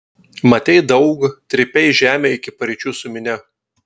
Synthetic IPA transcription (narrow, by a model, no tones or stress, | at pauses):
mɐt̪ʲɛɪd̪ɐʊɡt̪ʲɾʲɪpʲɛɪʒʲæːmʲeːɪkʲɪpɐɾʲɪt͡ʃʲuːsʊmʲɪnʲɛ